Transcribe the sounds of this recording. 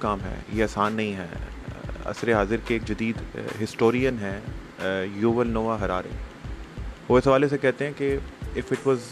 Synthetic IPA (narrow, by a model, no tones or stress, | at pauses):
kaːmɦɛ̰ːjeaːsaːnːɐɦĩɦɛ̰ː | ɐ̰sɾeɦaːzɪɾkeːk̚d͡ʒɐd̪iːd̪ɦɪsʈoːɾijənɦɛ̃ | juːʋəlnoːʋaɦɐɾaːɾḛ | oːɪsɦɐʋaːlesekɛɦt̪ẽɦɛ̃keɪfɪʈʋɔːz